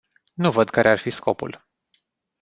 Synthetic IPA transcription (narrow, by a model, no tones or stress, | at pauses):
nuvəd̪kaɾʔearfisko̞pṵl